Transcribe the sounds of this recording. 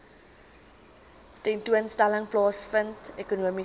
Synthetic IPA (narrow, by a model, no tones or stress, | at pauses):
tɛntuənstæləŋplɑːsfəntekunuəmi